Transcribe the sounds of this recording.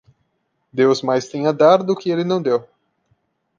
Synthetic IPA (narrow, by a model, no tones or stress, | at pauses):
d̪ewzmajst̪ẽj̃ad̪aɾd̪ʊkɪelɪnɐ̃w̃d̪ew